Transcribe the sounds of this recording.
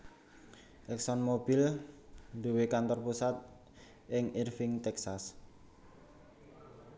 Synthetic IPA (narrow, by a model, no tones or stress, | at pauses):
ʔɛksɔnmobil | d̪uwekant̪ɔrpusat̪̚ | ʔɪŋirfɪŋt̪ɛksas